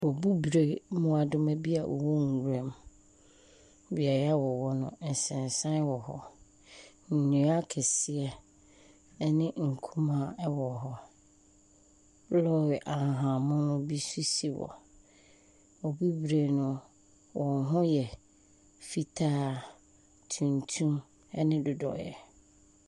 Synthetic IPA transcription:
wɔ˨bu˦bɾe˨mʊ̃˦a˨dʊ˦mã˦bi˦a˨ʔɔ̰˨wɔ˦ŋ̩˨ɡu˨ɾɛ˦m | bi˨a˨jɛ˦a˦wɔ˨wɔ˦nʊ̰̃˨n̩˨sɛ̃˨n˨sã˦wɔ˨hɔ˦ | n̩˨nũ˨˦a˦kʰɛ˨sɪ˨ɛ˦ | nɪ̃˦ŋ̩˨kʰũ˦mã˨˦wɔ˨ɦɔ˦ | lɔ˦wɪ˨ʔa˨ɦã˨mʊ̃˦nʊ̃˦bi˦su˦si˨wɔ̰˨ | ɔ˨bi˦bɾe˨nʊ̃˨ | wʔɔ̃˨ɦʊ̃˦jɛ˨ | fi˦tʰaː˦ | tʰũ˨ntʰũ˦m | ɛ˦nɪ̃˦dʊ˨dɔ̰˨jɛ̰˨

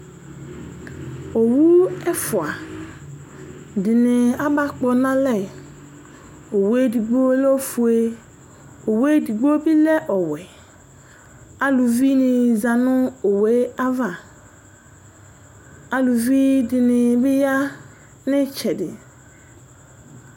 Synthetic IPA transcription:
o˨wu˦ɛ˦fʊ˨a˨ | dɪ˨nɪ˨a˦ba˦k͡pɔ˨nã˦lɛ˦˨ | o˨we˦di˨ɡ͡bo˦lɔ˦fu˨e˦ | o˨we˦di˨ɡ͡bo˦bi˦lɛ˦ʔɔ˨wɛ˨ | a˨lu˨vi˦nɪ̃˨za˨nʊ˦o˨we˦a˦va˨ | a˨lu˨vi˦dɪ˨nɪ˨bɪ˦ja˦ | nɪ˦t͡ʃʰɛ˨dɪ˨

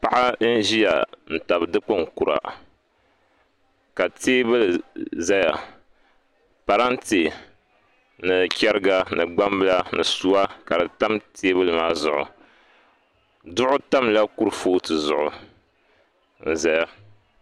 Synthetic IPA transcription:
pa˦ʔa˦n̩˦ʒi˦ja̰˨n̩˨ta˨bɨ˨dɨ˦k͡pɨ˦ŋ̩˨ku˨ɾa̰˨ | ka˨teː˦bɨ˦lza˦ja˨ | pa˨ɾa˦n˦te˨ | nɨ˨kʲɛ˦ɾɨ˦ɡa˦nɨ˨ɡ͡ba˦m˦bɨ˦la˦nɨ˨su˦wa˦ka˨dɨ˨ta˦mtʰeː˦bɨ˦lma˦zʊ˨ʔʊ̰˨ | dʊ˦ʔʊ˦ta˦mla˦ku˦ɾfoː˦tɨ˨zʊ˨ʔʊ˨ | n̩˨za˨ja˦

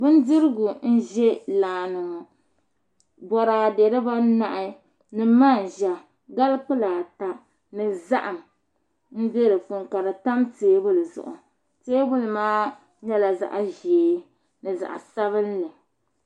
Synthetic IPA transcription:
bɨ˦n˦dɨ˦ɾɨ˦ɡʊ˨n̩˦ʒɛ˦laː˨nɨ˨ŋɔ˨ | bɔ˨ɾaː˨de˨ɾɨ˦ba˦na˨ʔɪ˦ | nɨ˨ma˦˨n˨ʒa˨ | ɡa˦lk͡pɨ˦laː˨ta˦ | nɨ˨za˦ʔa˨m | n̩˦be˦ɾɨ˨fu˨ŋka˨ɾa˨ta˦mteː˨˦bʊ˦lɨ˨zʊ̰˨ʔʊ̰˨ | teː˦bʊ˦lɨ˨maː˦ | ɲɛ˦la˨za̰˦ʔʒeː˨˦ | nɨ˨za̰˨ʔa̰˨sa˦βɨ˦n˦lɨ˨

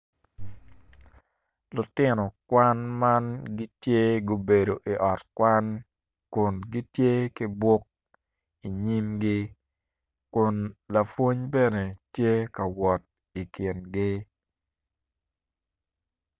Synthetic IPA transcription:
lʊ˨tɪ˦nɔ˨kwa˦nma˦nɡi˦tje˦ɡo˦be˨do˨ʔi˨ʔɔ˨tkwa˦n | kʊ˨nɡi˦tje˦ki˦bwo˦k̚ | i˨ɲi˦mɡɪ˦ | kʊ˨nla˨fwo˦ɲbe˦ne˨tje˦kɐ˨wɔ˨t̚ | i˨kɪ˨nɡɪ˦

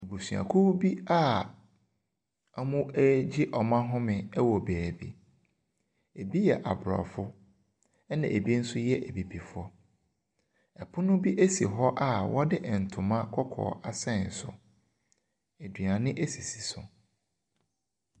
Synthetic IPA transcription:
e˨bu˨sɥa̰˨kʰu˦bi˦a˦ | a˨mʊ̃˦ɛ˦d͡ʑi˦ʔɔ˨mã˦ɦʊ̃˦mɪ̃˨ɛ˦wɔ˨beː˨bḭ˦ | e˨bi˦jɛ˨ʔa˨bɾɔ̰˨fʊ˦ | ɛ˦nã˨ʔe˨bi˦n̩˦sʊ˦jɛ˦ʔæ˨bi˨bi˨fʊ˦ɔ˦ | ɛ˨pʰʊ˦nʊ̃˦bi˦ʔe˦si˨ɦɔ˦ʔa˦wɔ˦dɪ˦ʔn̩˨tʰʊ̃˨mã˦kʰɔ˦kʰɔ̰ː˨ʔa˨sɛ̃˦˨n̩˨sʊ̰˨ | e˨dɥa˨nɪ̃˦ʔe˦si˨si̥˨sʊ˨

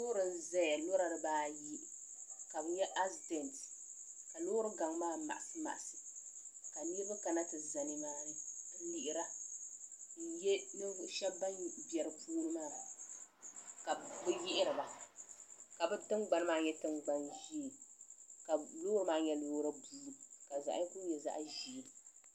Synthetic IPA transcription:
o˦ɾɨ˨n̩˦za˦˨a˨lo˦ɾa˨dɨ˨baː˦ji˦ʔ | ka˨bɨ˦ɲɛ˦ʔa˦sdɛ˨nt | ka˨loː˦ɾɨ˦ɡa˨ŋ˦maː˦ma̰˨ʔa˨sɨ˦ma̰˨ʔa˨sɨ˨ | ka˨ni˦bɨ˦ka˨na˦tɨ˨za˨nɪ˨˦ŋa˨˦li˦ʔɪ˦ɾa˦ | jɛ˦nɨ˦ʃɛ˦bba˦bjɛ˨ɾɨ˨pʰuː˦nɨ˦maː˦˨ | ka˨bɨ˦jɪ˦ʔɪ˦ɾɨ˨ba˨ | ka˨bɨ˦tɨ˦ŋɡ͡ba˨nɨ˦maː˦˨ɲɛ˦tɨ˦ŋɡ͡ba˦nʒi˦˨ | ka˨loː˦ɾɨ˦maː˦ɲɛ˦loː˦ɾa˦buː˦˨˦ka˨za̰˨ʔa̰˦ɛ˦ku˦jɛ˨za̰˦ʔʒi˦˨

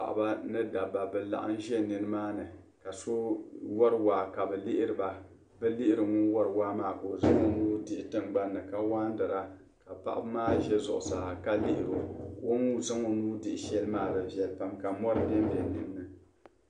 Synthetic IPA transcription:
pa̰˨ʔba˦nɨ˦da˨ba˨bɛ˨la̰˨ʔa̰˦n˦ʒɛ˦nɨ˦nɨ˦maː˦nɨ˨ | ka˨so˦wɔ˦ɾɨ˨waː˨ka˨bɛ˨lɪ˦ʔɪ˦ɾɨ˨ba˨ | bɛ˦lɪ˦ʔɪ˦ɾɨ˨ŋʊ˦wɔ˦ɾɨ˨waː˦maː˨ko˨za˦ŋo˦nuː˦dɪ˨ʔɪ˨˦tɨ˦ŋɡ͡ba˦nːɨ˨ka˦waː˦n˦dɨ˨ɾa˦ | ka˨pa̰˨ʔa̰˦bmaː˦ʒɛ˦zʊ̰˨ʔʊ˨saː˨ka˦lɪ˦ʔɪ˨ɾo˨wo˦nu˦za˦ŋo˦nuː˦dɪ˨ʔɪ˨ʃɛ˦lmaː˦˨ɾɨ˨vjɛ˨lpa˨mka˨mɔ˦ɾbɛ˦m˦bjɛ˨nɨ˦nː˦ɨ˨

